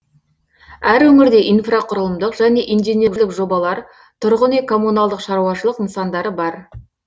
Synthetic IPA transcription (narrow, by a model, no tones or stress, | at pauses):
æɾwɵŋɪɾd̪e̞ʔijnfraqʰʊɾəlˠəmd̪əqʒ̥æne̞ʔijnd̪ineɪkʒlɪkʒo̞bɑlˠɑɾ | t̪ʰʊɾʁənekʰo̞mːunɑlˠd̪əqʃɑɾuɑʃəlˠəqnsɑnd̪ɑɾəbɑɾ